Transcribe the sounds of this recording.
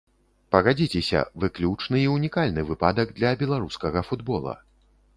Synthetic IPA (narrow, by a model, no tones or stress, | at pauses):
pɐɣad͡zʲit͡sʲɛsʲɐ̰vɨklʲut͡ʂnɨiunʲikalʲnɨvɨpad̪ɐɡ̚d̪lʲɐbʲɛlˠaɾuskɐɣɐfud̪bɔlˠɐ̰